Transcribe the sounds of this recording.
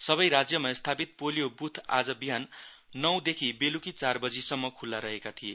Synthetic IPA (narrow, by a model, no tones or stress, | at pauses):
sʌβʌjɾad͡zjʌmast̪ʰapit̪̚polijobut̪ʰa̰d͡zʌbiɦan | nːʌw̃d̪ekʰibelukit͡sarbʌd͡zisʌmːʌkʰulːaɾʌɦekat̪ʰije